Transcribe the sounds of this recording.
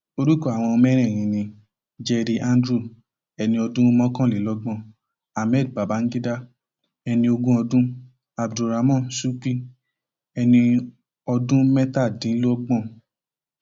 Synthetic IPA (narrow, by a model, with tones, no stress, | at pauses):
o˧ɾu˦kɔ˦˨a˨w̃ɔ̃˧ɔ˧mɛ˦ɾ̃ɛ̃˦˨j̃ĩ˨nĩ˧ | d͡ʒɛ˧ɾi˧ʔã˦n˦dɾu˦˨ | ɛ˧nĩ˧ɔ˧dũ˦mɔ̃˦kã˦˨li˨lɔ˦ɡ͡bɔ̃˦ | a˨mɛ˦˨d̚ba˨ba˨˦n̩˦ɡi˦da˦ | ɛ˧nĩ˧o˧ɡũ˦ɔ˧dũ˦ | a˨bdu˨ɾa˨mɔ̃˦˨su˦k͡pi˦˨ | ɛ˧nĩ˧ | ɔ˧dũ˦mɛ˦ta˦˨dĩ˨˦n̩˦lo˦ɔ˦ɡ͡bɔ̃˦˨